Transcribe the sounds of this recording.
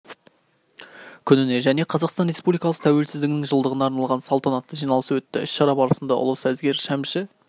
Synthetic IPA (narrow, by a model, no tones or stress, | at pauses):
kʲʰʏnɪne̞ʒæne̞qʰɑzɑqst̪ɑnɾe̞spublijkɑlˠəqt̪ʰæwe̞lsɪzd̪ɪɡʲɪnɪŋʒəlˠd̪əʁənɑːɾnɑlˠʁɑnsɑlˠt̪ɑnɑt̪ːəʒijnɑlˠəsəwɵt̪ːɪɪ̰sʃɑɾɑbɑɾəsənd̪ɑ̰ʔʊ̰lˠəsæzɡʲe̞ɾʃæmʃɪ